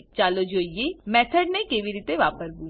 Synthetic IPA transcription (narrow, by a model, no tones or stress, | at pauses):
t͡ʃaːloːd͡ʒoːijemɛːt̪ʰəɖnekeːʋiɾiːt̪eʋaːpəsbu